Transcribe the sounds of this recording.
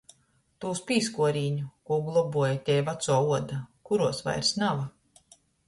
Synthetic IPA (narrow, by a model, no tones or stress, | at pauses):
t̪uːspʲiːskuɔɾiːɲukuːɡlˠɔbuɔjat̪ʲɛːvat̪suɔuɔd̪akuɾuɔsva̰jɾsnava